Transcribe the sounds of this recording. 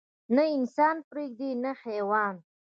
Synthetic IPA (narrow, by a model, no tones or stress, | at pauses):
naɪnsɑːnpɾeɡ̚d̪inaxewɑːn